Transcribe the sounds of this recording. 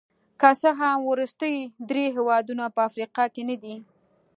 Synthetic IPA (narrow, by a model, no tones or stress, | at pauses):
kasəɦawɾʊst̪əjd̪ɾeɦewɑd̪unapəafɾiqɑkenad̪i